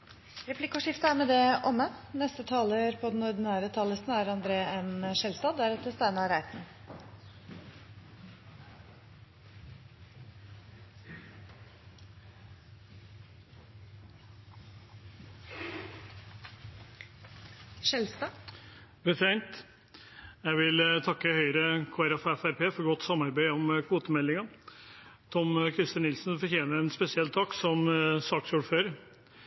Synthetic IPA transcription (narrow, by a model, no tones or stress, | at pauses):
ɾɛpʰlɪkːʊʂɪft̪əæːɾmeːd̪ɛʔɔmːənɛst̪ət̪ʰɑːləɾpʰod̪ɛnɔɾd̪ɪnæːɾət̪ʰɑːləst̪næɾɑnd̪ɾeːɛnʂɛlst̪ɑːd̪æɾɛt̪ːəst̪æɪnɑɾæɪt̪n̩ | ʃɛlst̪ə | bət̪æɪnt̪ | jæɪʋɪlt̪ʰɑkːəhœʏɾəkʰoːæɾɛfɛfæɾpʰeːfɔɾɡɔt̪ːsɑmɑɾbæɪɔmkʰʋuːt̪əmɛlːɪŋɑ | t̪ʰɔmkʰɾɪst̪ənɪlsn̩fɔɾçeːnəɛnspɛsɪɛlt̪ʰɑksɔmsɑːksuːɖføːɾə